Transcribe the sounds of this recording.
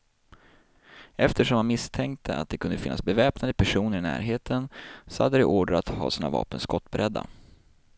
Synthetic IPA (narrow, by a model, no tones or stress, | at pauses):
ʔɛft̪əʂɔmvanmɪst̪ʰɛŋkt̪ʰəa̰t̪̚d̪ɛkʰɵnd̪əfɪnːasbɛvɛːpnad̪əpʰæʂuːnəɾɪnæ̰ːɾɦeːt̪ʰənsɔha̰d̪ːəd̪ɛʔoːɖɾat̪hɑ̰ːsiːnavɑ̰ːpənskɔt̪ːbɛɾʔɛd̪ːa̰